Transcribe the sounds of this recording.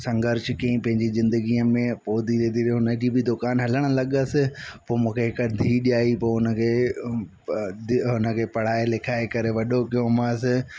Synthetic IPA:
sɐ̃ŋɡəɾʃkiĩpɐ̃ɦɪ̃ɲd͡ʑizɪ̃nd̪əɡiəmẽpoːd̪ʱiɾed̪iɾɦʊnəd͡ʑibɪd̪ʊkaːnɦɐləɽ̃ə̆lɐɠəsɪ̆poːmũːkʰeɦɪkəd̪ʱiːɗijaːipoːɦʊnə̆kʰeː | d̪ɪɦʊnə̆kʰeːpɐɽ̤aːelekʰaːekɐɾeʋɐɗokijõmasɪ

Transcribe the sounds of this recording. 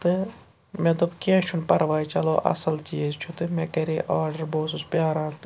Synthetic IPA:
t̪ɨ | mẽd̪ubkẽːʃʰunpɐɾʋaːit͡ʃɐloːʔɐ̰sɐlt͡ʃiːzt͡ʃʰut̪ɨmɛ̃ːkɐɾiʔaːɾɖəɾboːsuspjaːɾãːt̪ɨ

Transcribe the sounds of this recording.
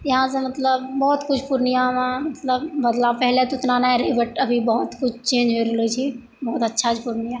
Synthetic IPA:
jɐɦãsemɐt̪ləbːɔːt̪kʊt͡ʃʰpʊɾnijamẽmɐt̪ləbbɐd̪lapɛɦlet̪oɪt̪nanaɛ̃ɾɐibəʈɐbʱibɔɦʊt̪kʊt͡ʃʰt͡ʃẽːd͡ʒʱɦoiɾelot͡ʃʰi | bɔːt̪ɐtːʃʰat͡ʃʰpʊɾnɪja

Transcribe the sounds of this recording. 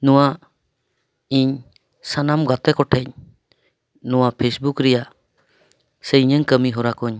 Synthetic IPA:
nɔwa | iɲ | sanamɡat̪ɛkɔʈʰɛɲ | nɔwapʰesbukɾɛja | səɲəŋkəmiɦɔɾakɔɲ

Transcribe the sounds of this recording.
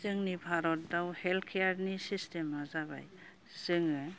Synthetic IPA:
zɯŋnibʱaɾɔt̚dawheltkʰeaɾnisistemazaβa̰j | sɯŋɯ

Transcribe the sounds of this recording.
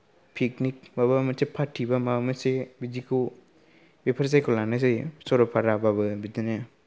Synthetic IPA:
pʰik̚nik̚baβamasepʰatʰːibamamasebid͡ʒikʰu | bepʰaɾsajkʰɔlanasejsɔɾɔpʰaɾababɯbidine

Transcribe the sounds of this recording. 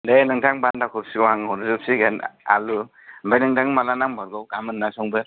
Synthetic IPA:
dejnɯŋtʰaŋbandakʰupsiɡɔwaŋɔwɾzɯpsiɡana̰lu | mbajnɯŋdaŋmalanaŋbaɾɡɔwkamɯnːasɔŋbɯ

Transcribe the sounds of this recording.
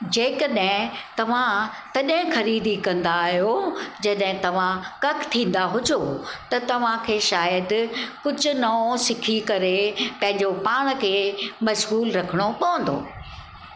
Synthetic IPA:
d͡ʑeːkəɗɦɪ̃t̪ɐʋ̤ãt̪ɐɗɦɪ̃xɐɾiːd̪ʱikɐ̃nd̪aːɦijod͡ʑɐɗɦɪ̃t̪ɐʋ̤ãkɐkt̪ʰĩːn̆d̪aɦʊd͡ʑʱot̪ɐt̪ɐʋ̤ãkʰeːʃaːjəd̪kʊd͡ʑʱʊ̆nɐõsɪkʰikɐɾepɐ̃ɦɪ̃ɲd͡ʑopaːɽ̃̆kʰeːmɐʃɣuːlɾɐkʰəɽ̃opɐʋə̃nd̪o̰ː

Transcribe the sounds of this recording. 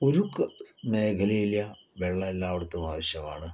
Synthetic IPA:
oɾukːɨmeːkʰɐlejiljɐ | ʋeɭːɐelːaːʋɐɽut̪ːumaːʋɐɕjɐma̰ːɳɨ

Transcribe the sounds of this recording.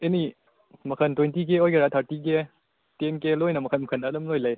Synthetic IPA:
eni | mɐkʰɐntwentik̬eojkɐɾatʰaɾtik̬e | tenkelojnɐmɐkʰɐnmɐkʰɐnadɐmlojlaj

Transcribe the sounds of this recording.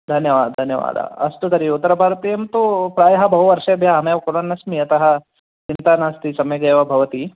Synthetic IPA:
d̪ʱɐnjɐʋa̰ːd̪d̪ʱɐnjɐʋa̰ːd̪a̰ɐsʈ̪ut̪ɐɾiut̪ːɐɾɐbʱaːɾɐt̪iːjɐmt̪opɾaːjɐɦɐbɐɦuʋɐɾʂɐɐbʱjaɦɐmeːʋɐkuɽɐnːɐsmiɐt̪ɐɦɐ | t͡ʃint̪aːnaːst̪isɐmɐjɡɐːʋɐbʱɐʋɐt̪i

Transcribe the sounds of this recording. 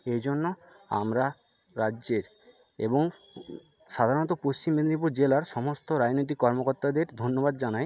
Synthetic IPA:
ed͡ʑonːo | a̰mɾa | ɾadːd͡ʑeɾ | ḛboŋ | ʃad̪ʱaɾonɔt̪̬opost͡ɕimːed̪nip̬uɾd͡ʑelaɾʃɔmost̪oɾad͡ʑnojt̪̬ikːɔɾmokoɾt̪ad̪eɾd̪ʱonːobad̪̚d͡ʑanaj

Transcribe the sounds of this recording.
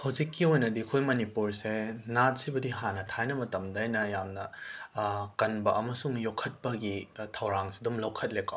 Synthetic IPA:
hɐwzikːiojnɐdikʰojmɐnipuɾsenat̚sibɐdiɦanɐtʰajnɐmɐtɐmdɐjnɐjamnɐ | kɐnbɐʔɐmɐsuŋjokʰɐt̚pɐɡitʰɐwɾaŋsi̥dumlowkʰɐt̚leko

